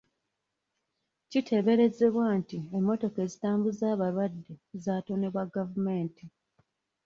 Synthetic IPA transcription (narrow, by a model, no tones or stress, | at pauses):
citʰe̞βe̞ɾe̞ze̞βwantiemːo̞to̞ke̞zitaːmbuzaːβaɾwadːe̞zaːto̞ne̞βwaɡavume̞ːnti